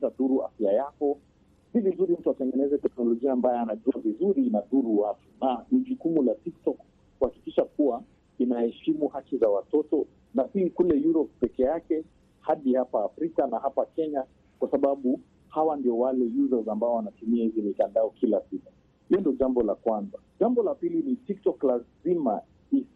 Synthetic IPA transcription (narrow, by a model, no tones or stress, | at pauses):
zaɗuɾua̰fjajakɔ | sivizuɾim̩tuatɛŋɡɛnɛzɛtɛknɔlɔʄiaːmbajɛanaʄuavizuɾinaɗuɾuwapunaniʄukumulatik̚tɔk | kuhakikiʃakuwa | inahɛʃimuhakizawatɔtɔ | napiːkulɛjuɾɔp̚pɛkɛjakɛ | haɗihapaːfɾikanahapakɛɲa | kwasaɓaɓu | hawandiɔwalɛjuzazambaɔwanatumiahizimikandaɔkilasita | hiɔndɔʄambɔlakwanzaʄambɔlapilinitiktɔklazima̰ | is